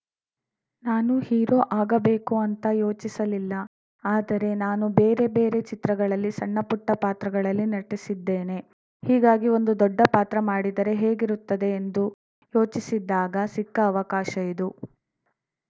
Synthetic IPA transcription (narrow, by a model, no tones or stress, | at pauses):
naːnuhiːɾo̞ːʔaːɡɐbe̞ːkuɐnt̪ɐjo̞ːt͡ʃisɐlilːɐ | aːd̪ɐɾe̞naːnube̞ːɾe̞be̞ːɾe̞t͡ʃit̪ɾɐɡɐɭɐlːisɐɳːɐpuʈːɐpaːt̪ɾɐɡɐɭɐlːinɐʈːisid̪ːeːne̞ | hiːɡaːɡio̞nd̪ud̪ɔɖːɐpaːt̪ɾɐmaːɽid̪ɐɾe̞ɦeːɡiɾut̪ːɐd̪eːnd̪u | jo̞ːt͡ʃisid̪ːaːɡɐsikːɐːʋɐkaːʃɐid̪u